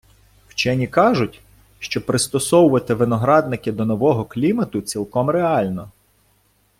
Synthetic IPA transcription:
wt͡ʃɛnʲikɑʒʊtʲ | ʃt͡ʃɔpɾɪst̪ɔsɔwʊʋɐt̪ɪʋɪnɔɦɾɑd̪nɪkɪd̪ɔnɔʋɔɦɔklʲimɐt̪ʊt͡sʲilˠkɔmɾeɑlʲnɔ

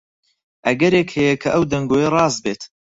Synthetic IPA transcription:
ʔɐɡɐɾeːkhɛjɛkʰɐʔɐwd̪ɐŋɡoːjɐrˤɑːzbeːt̪

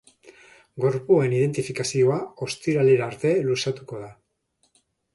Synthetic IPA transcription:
ɡo̞ɾpue̞nið̞e̞nt̪ifikasio̞ao̞st̪iɾaleɾaːɾt̪e̞lusat̪uko̞ða

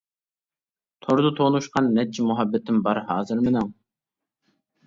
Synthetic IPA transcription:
t̪ʰoɾd̪ʊt̪ʰoːnuʃqɑnːɛt̪̚t͡ʃʰimuɦɑbːɪt̪ʰːɪmbɑɾhɑːzɨɾmɪnɪŋ

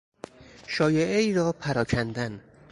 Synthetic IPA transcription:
ʃɒːjeʔeiːɾɒːpʰæɾɒːkʰænd̪æn

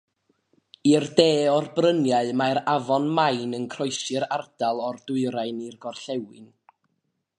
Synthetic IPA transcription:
irdeːɔrbrənjaɨmaɾavɔnmajnənkʰrɔɨsɪɾardalˠɔrdʊɨɾaɨnirɡɔrɬɛwɨ̰n

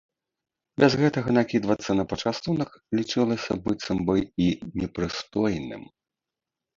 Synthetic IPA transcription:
bʲɛzɣɛt̪ɐɣɐnakʲid̪vɐt̪sːɐnɐpɐt͡ʂast̪unɐklʲit͡ʂɨlˠɐsʲɐ̰bɨt̪sɐmbɨinʲɛpɾɨst̪ɔjnɨ̰m

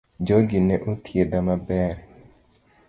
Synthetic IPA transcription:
d͡ʒɔɡɪnɛʔot̪ʰjedamabɛɾ

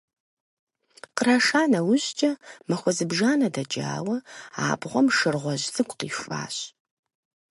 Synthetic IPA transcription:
qəɾɐʂaːnɐwʊʑt͡ʃʼɐmɐxʷɔzɨbʒaːnɐdɐd͡ʒʼa̰ːwɐa̰ːbʁʷɔmʂɨrʁʷɔʑzʼɨɡʷʼqḭːfʷʼa̰ːɕ

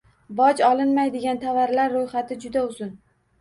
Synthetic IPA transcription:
bɒd͡ʒɒlˠɪnmajd̪eɡʲant̪ʰavaɾlaɾːojχat̪ʰɪd͡ʒʊd̪aʊzʊn

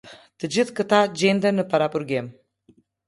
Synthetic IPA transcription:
t̪əd͡ʒiðkət̪ad͡ʒend̪ənəpaɾapuɾɡem

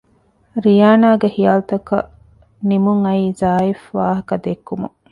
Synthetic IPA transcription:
ɾijaːnaːɡehijaːlt̪ɐkɐ̰ | nimuŋɐiːzaːifʋaːɦɐkɐd̪ekːumṵ

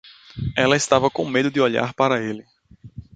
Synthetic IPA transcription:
ɛlɐɪst̪avɐkõmed̪ʊd̪ɪɔʎa̰ɾpaɾɐelɪ

